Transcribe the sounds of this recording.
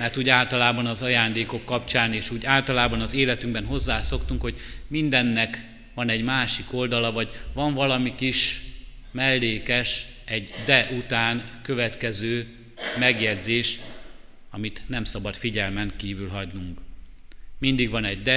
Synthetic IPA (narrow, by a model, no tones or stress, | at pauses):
mɛrt̪uːɟaːlt̪ɒlaːbɒnɒzɒjaːnd̪eːko̞kːɒpt͡ʃaːneːʃuːɟaːlt̪ɒlaːbɒnɒzeːlɛt̪yŋɡbɛnɦo̞zːaːso̞kt̪uŋkho̞ɟmind̪ɛnːɛk | ʋɒnɛɟmaːʃiko̞ld̪ɒlɒvɒɟvɒɱvɒlɒmikiʃ | mɛlːeːkɛʃ | ɛɟd̪ɛʔut̪aːnkø̞vɛt̪kɛzøː | mɛɡjɛd̪zeːʃ | ɒmit̪nɛmsɒbɒt̪fiɟɛlmɛŋkiːvylɦɒɟnuŋk | mind̪iɡʋɒnɛɟ̚d̪ɛ